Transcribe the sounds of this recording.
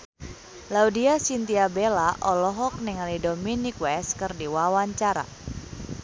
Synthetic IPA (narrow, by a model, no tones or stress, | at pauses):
laudiasint̪iabelaʔɔlɔɦɔk̚niŋalidominikwɛskɨrdiwawaɲt͡ʃaɾa̰